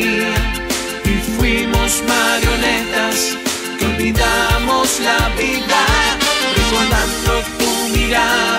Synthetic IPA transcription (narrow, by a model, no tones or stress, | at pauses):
a | ifwimozmaɾjolet̪as | kombɾiðamozlaβiðarekoðant̪okumiɾa